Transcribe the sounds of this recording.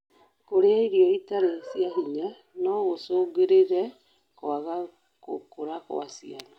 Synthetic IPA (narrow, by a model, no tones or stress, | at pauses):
koɾeaiɾjɔitaɾesiaɦiɲa | nɔɣosoɡeɾeɾɛ | koaɣa | kokoɾako̰asianɔ